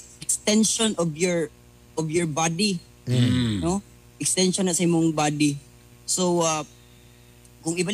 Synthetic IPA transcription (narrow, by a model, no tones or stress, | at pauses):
ʔɛkst̪ɛnʃonɔvjɔɹ | ʔɔvjɔɹbad̪i | no | ʔɛkst̪ɛnʃonɐsɐʔɪmʊŋbad̪i | sowa | kʊŋɪba